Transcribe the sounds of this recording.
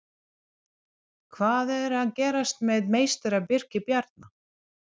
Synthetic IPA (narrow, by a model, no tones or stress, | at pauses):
kʰvaːðɛɾaðcɛːɾast̪mɛðmeːjst̪ɛɾapɪr̥cɪpjaɾt̪̚na